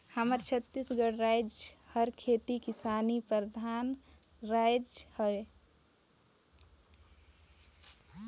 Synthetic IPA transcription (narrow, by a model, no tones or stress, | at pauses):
həməɾt͡ʃʰət̪ːisɡəɽɾajd͡ʒhəɾkʰet̪ikɪsaːnipəɾd̪ʱaːn | ɾajd͡ʒhəe